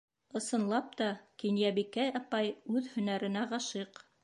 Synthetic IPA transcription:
ɤ̆sɤ̆nlˠɑp̚t̪ɑkinjæβikæɑpɑjʉðhɵ̆næɾɘ̆næʁɑʃɤq

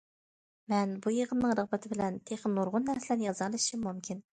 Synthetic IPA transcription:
mɛnbujəʁənːɨŋɾəʁbɛt̪ʰɪbɪlɛnt̪ʰeχənːoɾʁʊnːæɾsɪlæɾnɪjɑzɑlˠɨʃimumkʲʰin

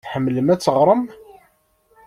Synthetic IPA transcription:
ħəmːləmæt͡sːəʁɾˤəm

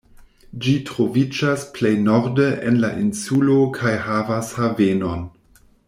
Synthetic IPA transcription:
d͡ʒitɾo̞vid͡ʒasplejnoɾdeʔenla̰ʔinsulokʰajɦavashaveno̞n

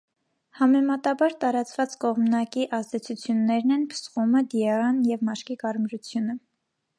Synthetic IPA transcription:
hɑmɛmɑt̪ɑbɑɾt̪ɑɾɑt͡svɑt͡skɔʁmnɑkiʔɑzd̪ɛt͡sʰut͡sʰjunːɛɾnɛnpʰə̥sχuməd̪iɛrɑnjɛvmɑʃkikɑɾmɾut͡sʰjunə

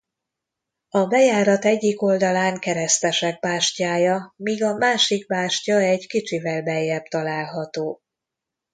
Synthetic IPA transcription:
ɒbɛjaːɾɒt̪ɛɟːiko̞ld̪ɒlaːŋkɛɾɛst̪ɛʃɛɡ̚baːʃcaːjɒmiːɡɒmaːʃik̚baːʃcɒɛɟkit͡ʃivɛlbɛjːɛbt̪ɒlaːlɦɒt̪oː

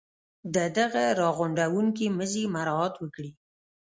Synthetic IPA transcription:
d̪əd̪aɣaɾɑɣʊɳɖawuŋk̬iməzimaɾɑɑt̪wəkɽi

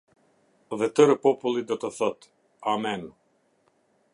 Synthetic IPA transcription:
ðɛt̪əɾəpɔpulˠid̪ɔt̪əθɔt̪ | amɛn

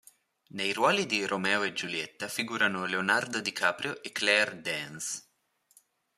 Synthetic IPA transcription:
nejrwaːlid̪iɾʔomɛːoed͡ʒuljɛt̪ːafiɡuːɾanoleonard̪od̪ikʰaːpɾjoʔekːlɛrd̪ɛns

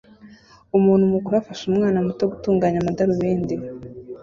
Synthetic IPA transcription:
umuːn̥humukuɾafaʃumŋaːnamutoɡutuːŋɡaːɲamadaɾuβeːnde

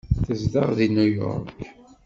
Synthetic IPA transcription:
θəzðəʁðinujɔ̰ɾk

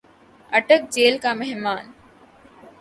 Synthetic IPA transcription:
əʈək̚d͡ʑeːlkãːmɛɦmaːn

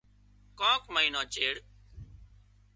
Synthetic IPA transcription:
kɔ̃ːkməiːnãːt͡ʃeːɽ

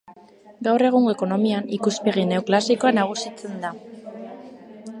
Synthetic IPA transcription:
ɡawre̞ɣ̞uŋɡo̞e̞ko̞no̞mianikuspe̞ɣine̞wklasiko̞anaɣ̞usit͡se̞nd̪a

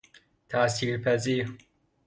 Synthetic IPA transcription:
t̪ʰaːsiːɾpʰɐziːɾ

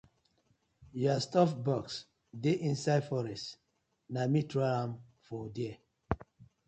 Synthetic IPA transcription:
jɔstɔfbɔks | deʔĩnsaɪdfɔɾɛst | namitɾoãm | fɔdiɛ

